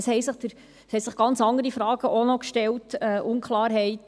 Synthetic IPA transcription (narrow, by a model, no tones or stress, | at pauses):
shɛɪsɪχd̥əɾ | shɛsɪχɡ̥ɑnt͡sɑŋdəɾifɾɑːɡəʔonɔkʃtɛltɛʔʊnkʰlɑːɾɦɛɪt